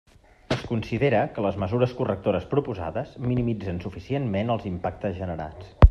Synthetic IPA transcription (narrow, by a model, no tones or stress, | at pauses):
əskunsiðeɾəkələzməzuɾəskurək̚t̪oɾəspɾupuza̰ðəzminimid͡zənsufisienmenəlˠzimpak̚t̪əzʒənəɾa̰t͡s